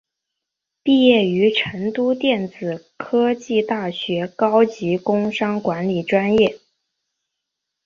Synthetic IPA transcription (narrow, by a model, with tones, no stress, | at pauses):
pi˥˧jɛ˥˩y˧˥ʈ͡ʂʰə˧˥ŋt̪u˥t̪jɛ˥˩nt͡sɹ̩˨˩ | kʰɤ˥t͡ɕi˥˧t̪a˥˩ɕɥɛ˧˥kɑ˥ʊt͡ɕi˧˥kʊ˥ŋʂɑ˥ŋkwa˧˥nli˨˩ʈ͡ʂwa˥njɛ˥˩